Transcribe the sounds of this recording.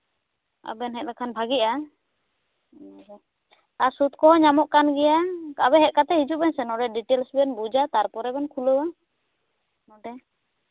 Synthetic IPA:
a̰bɛnɦɛt̪̚lakʰanbʱaɡiʔa | asut̪̚kɔɦɔɲamɔʔkanɡɛjakaβɛɦɛʔ̚kat̪ɛhid͡ʒuʔbɛnsɛnɔɖɛɖiʈɛlsbɛnbud͡ʒat̪aɾpɔɾɛbɛnkʰuləwa | nɔɖɛ

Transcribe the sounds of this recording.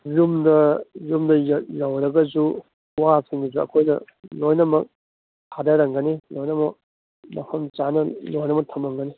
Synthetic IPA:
jumdɐjumdɐjjawɾɐɡɐzu | wasiŋɐzuɐ̰kʰojnɐ̰ | lojnɐmɐk̚ | hʰadɐɾɐŋɡɐnilojnɐmɐk̚ | mɐpʰɐmt͡ʃanɐlojnɐmɐk̚tʰɐmɐŋɡɐni

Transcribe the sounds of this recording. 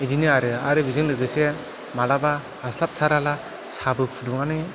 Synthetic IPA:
idinɯaɾɯaɾɯbizɯŋdɯɡɯse | malaba | haslap̚tʰaɾala | sabɯpʰuduŋanɯ

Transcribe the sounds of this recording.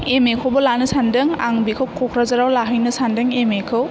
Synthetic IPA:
emekʰowbɔlanɯsandɯŋaŋbikʰɯwkʰɔkʰɾazaɾawlaɦɯjnɯsandɯŋemekʰɯw

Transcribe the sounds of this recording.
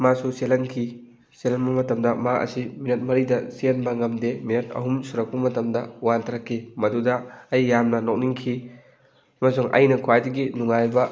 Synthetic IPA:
masuselɐnkʰi | selɐnbɐmɐtɐmdɐmaʔɐ̰siminɐt̚mɐɾidɐsenbɐŋɐmdeminɐt̚ɐ̰ɦumsuɾɐk̚pɐmɐtɐmdɐwantʰɐɾɐkʰːimɐdudɐːjːamnɐnok̚niŋkʰi | ɐmɐsuŋɐ̰jnɐkʰwajdɐɡinuŋajbɐ

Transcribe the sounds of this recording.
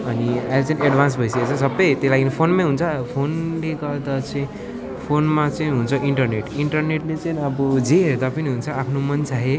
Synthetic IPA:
ʌnialt͡saĩeɖbʱansbʱʌjseket͡sʰʌsʌbːʌjt̪elaɡinipʰonmãɦunt͡sʰʌpʰonleɡʌrd̪at͡sʌĩ | pʰonmat͡sʌĩɦunt͡sʰʌʔiɳʈʌrneʈiɳʈʌrneʈlet͡sʌnʌbʌd͡zeɦeɾd̪apʌniɦunt͡sʰʌapʰnomʌnt͡sʰaɦe

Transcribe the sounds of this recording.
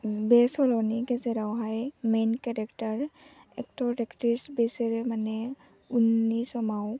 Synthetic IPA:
bɛsɔlɔniɡɛzɛɾawɦajmenkɛɹɛktaɹ | ɛk̚tɔdɛktɹisbesɛɹɛmanɛ | unːisɔmaw

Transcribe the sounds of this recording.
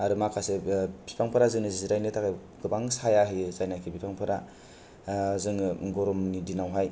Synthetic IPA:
aɾɯmakʰasebipʰaŋpʰɯɾazɯŋnɯzziɾajnɯtʰakʰaj | ɡɯbaŋsajaɦɯjzajnajkʰibipʰaŋpʰɯɾa | zɯŋɡɔɾɔmnidinawɦaj

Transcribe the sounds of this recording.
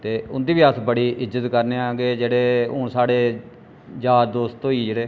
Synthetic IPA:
t̪eːʊnd̪iːʋiəsbəɽiːʔɪzːət̪kəɾneːaːɡeːd͡ʒeːɽeːõ̰ːsaːɽeː | d͡ʒaːɾd̪oːst̪t̪õːiːd͡ʒeːɽeː

